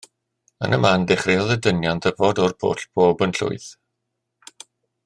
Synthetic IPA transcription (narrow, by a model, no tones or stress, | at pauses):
ə̰nəmandɪχrɪɔðədənjantʰəvoːdɔrpʰo̰ːɬb̥ʰoːbənɬʊ̰ɨθ